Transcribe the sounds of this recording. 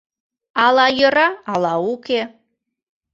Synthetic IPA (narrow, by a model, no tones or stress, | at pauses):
ɑlɑjə̆ɾɑɑlɑuke